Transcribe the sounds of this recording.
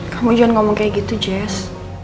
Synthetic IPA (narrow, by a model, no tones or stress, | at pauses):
kamud͡ʒɔnŋɔmɔŋkɛɡit̪ud͡ʒɛs